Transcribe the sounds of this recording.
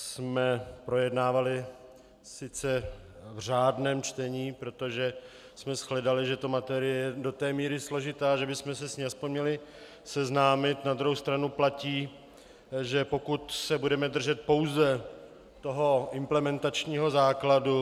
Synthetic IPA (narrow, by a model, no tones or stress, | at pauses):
smɛpɾo̞jɛdnaːvalɪ | sɪt͡sɛvr̝aːdnɛːmt͡ʃt̪ɛɲiːpɾo̞t̪o̞ʒɛ | smɛsxlɛdalɪʒɛt̪omat̪ɛɾɪjɛjɛdo̞t̪ɛːmiːɾɪslo̞ʒɪt̪aːʒɛbɪsmɛsɛsɲiaspoɲmɲɛlɪ | sɛznaːmɪt̪nad̪ɾuɦowst̪ɾanuplaciː | ʒɛpo̞kut̪sɛbudɛmɛd̪r̩ʒɛt̪̚po̞wzɛ | t̪o̞ɦo̞ʔɪmplɛmɛnt̪at͡ʃɲiːɦo̞zaːkladu